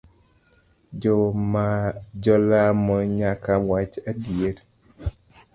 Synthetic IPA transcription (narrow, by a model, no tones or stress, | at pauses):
d͡ʒɔmad͡ʒɔlamɔɲakawat͡ʃadieɾ